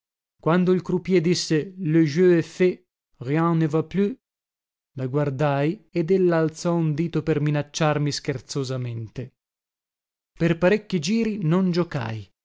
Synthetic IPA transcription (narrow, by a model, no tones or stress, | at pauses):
kwand̪oilkɾupjɛd̪isːeløʒøefe | rjãnevapːly | laɡward̪ajed̪ɛlːaːlt̪sɔund̪iːt̪operminat͡ʃːarmisk̟ert̪sozament̪e | perpaɾekːid͡ʒiːɾinond͡ʒoka̰j